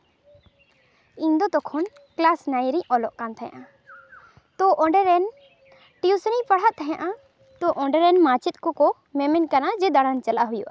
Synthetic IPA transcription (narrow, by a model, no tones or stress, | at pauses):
ĩnd̪ɔt̪ɔkʰɔn | klasnajɾiɲɔlɔʔkant̪ʰɛja̰ʔa | t̪ɔʔɔ̃ɳɖɛɾɛn | ʈiusnipɐɽ̤at̪t̪ʰəɦjãʔã | t̪ɔʔɔɳɖɛɾɛnmat͡ʃit̪̚kɔkɔ | mɛmɛnkanad͡ʒɛd̪aɽant͡ʃɐlaɦujuʔa